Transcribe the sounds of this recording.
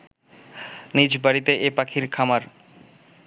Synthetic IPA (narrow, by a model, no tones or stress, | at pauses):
nid͡ʑbaɽit̪eʔepakʰiɾkʰamaɾ